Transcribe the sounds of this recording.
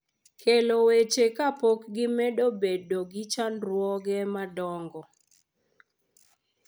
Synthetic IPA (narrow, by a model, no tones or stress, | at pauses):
kʰelowet͡ʃekapokɡɪmɛdobedoɡɪt͡ʃanɾwɔɡɛmadɔŋɡɔ